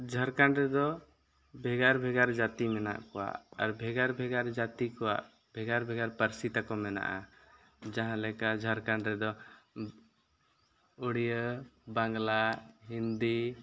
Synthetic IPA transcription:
d͡ʒʱəɾkaɳɖɾɛd̪ɔ | bʱɛɡaɾbʱɛɡaɾd͡ʒat̪imɛna̰ʔkɔwa̰ʔaɾbʱɛɡaɾbʱɛɡaɾd͡ʒat̪ikɔwa̰ʔ | bʱɛɡaɾbʱɛɡaɾpəɾsit̪akɔmɛna̰ʔa̰ | d͡ʒãɦãlɛkaʔd͡ʒʱəɾkaɳɖɾɛd̪ɔ | uɽijəbaŋɡlaɦind̪i

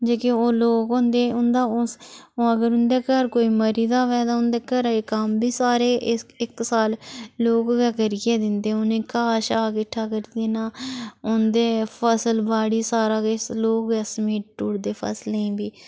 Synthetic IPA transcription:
d͡ʒeːkeoːloːkʊ̃nd̪eːʊnd̪aːʊoːəɡəɾʊnd̪eːkəɾkoːiːməɾiːd̪aːʋɛːd̪aːʊnd̪eːkəɾeːkəmbiːsaːɾeːʔɪksaːlloːɡɛkəɾijeːd̪ɪnd̪eːʊnẽːkaːʃaːkɪʈʰːaːkəɾid̪eːnaːʊnd̪eːpʰəsəlbaːɽiːsaːɾaːkeloːkɛsəmiːʈ̚ʈuːɽd̪eːpʰə̰sleĩːbiː

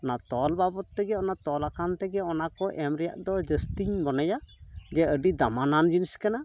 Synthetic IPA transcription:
ɔnat̪ɔlbabɔt̪ːɛɡɛɔnat̪ɔlakant̪ɛɡɛɔnakɔʔɛmɾɛja̰ʔd̪ɔd͡ʒəst̪iɲbɔnəjad͡ʒɛəɖid̪amanand͡ʒinskana

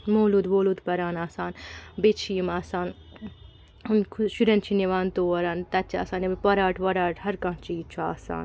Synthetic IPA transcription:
moːlud̪ʋoːlud̪pɐɾaːnaːsaːnbet͡ʃʰiːmaːsaːn | unkʰʃuɾɐnt͡ʃʰineʋaːnt̪oːɐɾaːnt̪ɐtt͡ʃʰa̰ːsaːnɐbpɐɾaːʈʋɐɾaːʈhɐɾkãt͡ʃiːt͡ʃʰua̰ːsa̰ːn

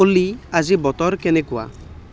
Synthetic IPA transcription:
oliad͡ʒibɔt̪ɔɾkenekua̰

